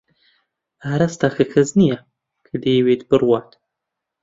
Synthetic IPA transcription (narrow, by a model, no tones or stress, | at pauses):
aːɾast̪aːxʰɨkʰɐznija | kʰɨd̪eːweːt̪bɨrwɑːt̪